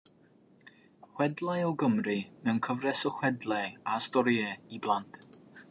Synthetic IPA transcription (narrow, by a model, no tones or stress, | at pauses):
χwɛdlˠajɔɡəmrɨnənkʰəvrɛsɔχwɛdlˠɛastɔɾiɛiblˠantʰ